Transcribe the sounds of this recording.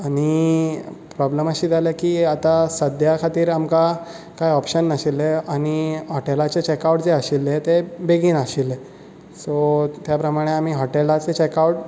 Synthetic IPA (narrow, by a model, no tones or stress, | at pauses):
aɽ̃i | pɾɔbləməɕiːd͡z̪ʱalekiːat̪asəd̪ʱjakʰat̪iːɾamka | kaiɔpɕənːəɕilːeaɽ̃iɦɔʈelat͡ɕet͡ɕekawʈd͡zeəɕilːet̪ebeɡiːnaɕilːe | sot̪japɾəmaɽ̃eam̤iːɦɔʈelat͡set͡ɕekauʈ̚